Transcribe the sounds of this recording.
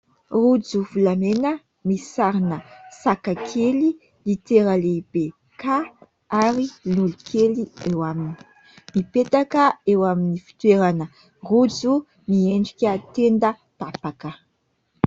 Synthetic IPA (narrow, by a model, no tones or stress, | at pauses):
rud͡zufulamenə | misaɾinəsakakʰeli | lit̪eɾaleb̥e | ka | aɾilulikʰeliewamini̥ | mipet̪akəewaminifi̥t̪weɾanə | rud͡zu | mieɳɖ͡ʐikʲət̪end̪ə | papakə